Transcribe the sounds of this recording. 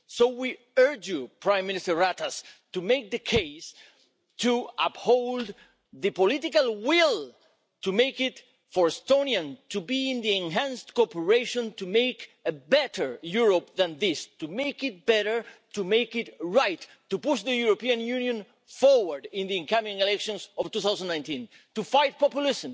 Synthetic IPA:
sowi | ɜ˞d͡ʒjupʰɹãɪ̃mːɪ̃nɪstə˞ɹat̪astumek̚ðɨkʰeɪs | tʰuaphoʊld̪ | ðɨpolitikalwɪl | tumejkɪt | fəɹɛstõniãntubiɪ̃nðiẽnɦæ̃nstkɔpəɹeʃõntumejkəbɛɾə˞juɹop̚ðãnðɪstumejkɪt̚b̥ɛɾə˞tumeɪkɪtɹajtːupuʃðəjuɾopiãnjũnjõn | fɔɹwəɹdɪ̃nðiɨ̃ŋkãmĩŋelɛkʃɔ̃nsɔvt̪uθawsãndnãj̃ntĩn | tufajt̚pɔpjulɪsə̃m

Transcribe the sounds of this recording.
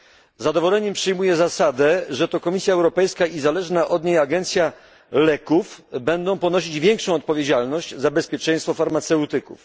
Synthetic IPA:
zad̪ɔvɔlɛɲɛmpʂɘjmujɛzasad̪ɛʐɛt̪ɔkɔmʲisʲjaɛwɾɔpɛjskaizalɛʐnaʔɔd̪ɲejaɡɛnt̪sʲja | lɛkufbɛnd̪ɔ̃w̃pɔnɔɕid͡ʑvʲjɛŋkʂɔ̃w̃ɔt̪̚pɔvʲjed͡ʑalnɔɕd͡ʑzabɛspʲjɛt͡ʂɛj̃st̪fɔfaɾmat̪sɛwt̪ɘkṵf

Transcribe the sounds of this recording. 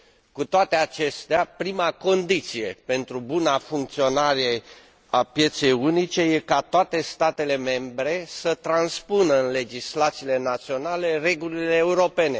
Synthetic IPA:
kut̪oat̪e̞at͡ʃe̞st̪eapɾimako̞nd̪it̪sije̞pe̞nt̪ɾubunafuŋk̚t̪sio̞naɾe̞ | apje̞t̪se̞junit͡ʃe̞je̞kat̪oat̪e̞st̪at̪e̞le̞me̞mbɾe̞sət̪ɾanspunəɨnle̞d͡ʒislat̪sile̞nat̪sio̞nale̞re̞ɡulileːuɾo̞pe̞ne̞

